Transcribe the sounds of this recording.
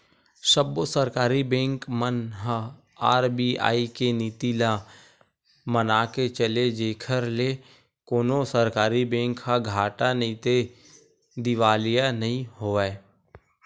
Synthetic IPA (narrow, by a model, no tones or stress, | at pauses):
ʃəbosəɾkaːɾibɛ̃ːŋkmənɦ | aːɾbia̰ːikeniːt̪ila | mənaːket͡ʃəled͡ʒeːkʰəɾle | koːnosəɾkaːɾibɛ̃ːŋkːaɡʱaːʈanəɦĩt̪e | d̪ɪʋaːlijanəɦĩhoːɛː